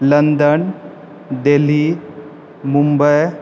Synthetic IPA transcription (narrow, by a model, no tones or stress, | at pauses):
lənd̪ən | d̪eli | mumbəj